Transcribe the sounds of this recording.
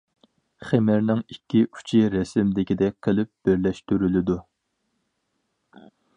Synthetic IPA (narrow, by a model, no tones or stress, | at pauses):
χemɪɾnɪŋikʲʰːiʔu̥t͡ʃʰiɾɛsɪmd̪ɪkʲid̪ɛk̚ʲqʰəlɪp̚b̥ɪɾlɛʃt̪yɾylɪd̪u